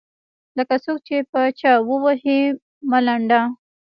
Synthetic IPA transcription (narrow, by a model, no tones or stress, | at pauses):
ləkat͡sok̚t͡ʃepət͡ʃawəwahe | malaɳɖa